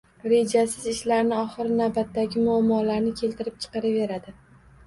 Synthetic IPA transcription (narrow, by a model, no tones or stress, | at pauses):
ɾe̞d͡ʒasɪzɪʃlaɾnɪɒχɨɾɪnavbat̪ːaɡʲɪmʊamːɒlaɾnɪkʲʰe̞lt̪ʰɪɾɪp̚t͡ʃʰɨ̥qɑɾave̞ɾad̪ɪ